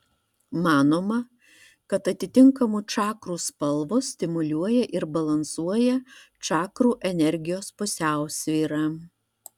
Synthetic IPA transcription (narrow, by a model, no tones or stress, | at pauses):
mɑːnoːmɐ | kɐt̪ɐt̪ʲɪt̪ʲɪŋkɐmʊt͡ʃɑːkɾuːspɐlˠʋʊsʲt̪ʲɪmʊlʲuɔjɛʔɪɾbɐlˠɐnsuɔjɛt͡ʃɑːkɾuːʔɛnʲɛɾʲɡʲɪjoːspʊsʲæˑʊsʲʋʲiːɾɑː